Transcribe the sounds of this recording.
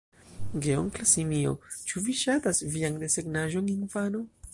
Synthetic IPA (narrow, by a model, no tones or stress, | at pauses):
ɡeo̰ŋklasimio̰t͡ʃuviʃat̪asviaŋd̪eseɡnaʒoŋinfano